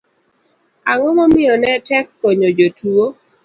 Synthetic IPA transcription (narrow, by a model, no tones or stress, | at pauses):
aŋɔmɔmɪɔnɛtɛkːoɲod͡ʒotuo